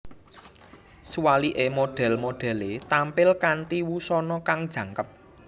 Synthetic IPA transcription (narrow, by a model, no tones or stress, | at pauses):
suwaliʔemoɖ̥ɛ̤lmoɖ̪̥ɛ̤let̪ampɪlkant̪iwusɔnɔkaŋd̥ʒ̥ä̤ŋkəp̚